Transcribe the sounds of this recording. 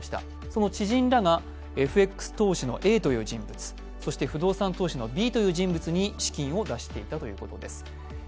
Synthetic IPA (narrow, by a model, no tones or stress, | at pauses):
ɕi̥t̪a̰ | so̞no̞t͡ɕiʑĩnɾaɡa | e̞ɸɯ̟e̞kɯ̥sɨ̥t̪o̞ːɕino̞̰ʔe̞ːt̪o̞jɯ̟ːd͡ʑĩmbɯ̟t͡sɨ̥ | so̞ɕi̥t̪e̞ɸɯ̟d̪o̞ːsãnt̪oːɕino̞bʲiːt̪o̞jɯ̟ːʑĩmbɯ̟t͡sɨɲ̟iɕi̥kʲĩɰ̃o̞d̪aɕi̥t̪e̞it̪at̪o̞jɯ̟̰ːko̞̰t̪o̞d̪e̞sɨ̥